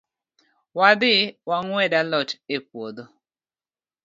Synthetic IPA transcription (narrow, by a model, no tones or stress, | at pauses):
wad̪ɪwaŋwɛdalɔt͡ʃepwod̪o